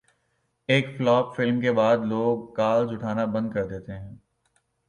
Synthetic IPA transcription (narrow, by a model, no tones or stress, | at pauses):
eːkflɔːpfɪlmkebaːd̪loːɡ̚kaːld͡ʒʊʈʰaːnabɐ̃nd̪̚kɐɾd̪eːt̪eɦɛ̃ː